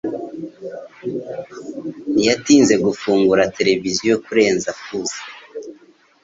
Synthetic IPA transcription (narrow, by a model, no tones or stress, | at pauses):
nijatiːnze̞ɡufuːŋɡuɾatʰe̞ɾe̞vizijokuɾe̞ːnzafuzḁ